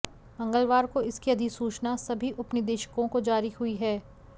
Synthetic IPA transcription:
mɐ̃ŋɡəlʋaːɾkoɪskiɐd̪ʱisuːt͡ʃnasɐbʱiʔɐpnid̪eːʃə̥kõkod͡ʒaːɾihʊiɦɛː

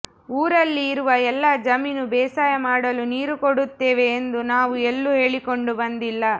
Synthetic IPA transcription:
uːɾɐlːiːɾuʋɐɛlːaːd͡ʒɐminubɛːsaːjɐmaːɽɐluniːɾukoɽut̪ːeːʋe̞ːnd̪unaːʋuelːuɦe̞ːɭikoɳɖubɐnd̪ilːɐ

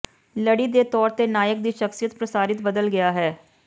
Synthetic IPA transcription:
ləɽiːd̪eːt̪ɔːɾt̪eːnaːjək̚d̪iːʃəksijət̪pɾəsaːɾɪt̪bəd̪əlɡɪjaːɦɛː

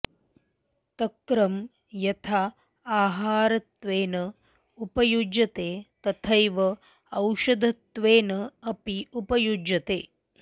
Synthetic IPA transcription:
t̪ɐkɾɐm | jɐt̪ʰaː | aːɦaːɾɐt̪ʋeːnɐ | upɐjud͡ʒɐt̪eːt̪ɐt̪ʰɐjʋɐ | ɐwʃɐd̪ʱɐt̪ʋeːnɐɐpiupɐjud͡ʒɐt̪ḛː

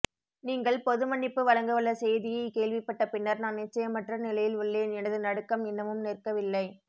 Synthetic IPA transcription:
niːŋɡɐɭpɔðɯmɐɳːɪpːɯʋɐɻɐŋɡɯʋɐɭːɐsɛjðɪjɐɪkeːɭʋɪpːɐʈːɐpɪnːɐɾnaːnnɪt͡ʃːɐjɐmɐʈrɐnɪlɐjɪlʊɭːeːnɛnɐðɯnɐɽɯkːɐmɪnːɐʋɯmneːrkɐʋɪlːɐɪ

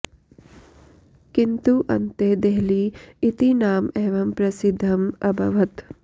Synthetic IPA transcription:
kint̪uʔɐ̰nt̪eːd̪eɦliːt̪inaːmeːʋɐmpɾɐsɪd̪ʱːɐmɐ̰bʱɐʋɐt̪

